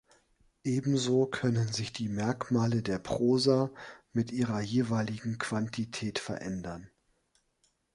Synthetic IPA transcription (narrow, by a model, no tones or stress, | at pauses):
ʔeːbm̩zoːkʰœnənzɪçd̥iːmɛɐkmaːlədeːɐpʁ̥oːzamɪtʔiːʁɐjeːvaɪlɪɡŋ̩kʰv̥antʰitʰɛːtfɛɐʔɛndɐn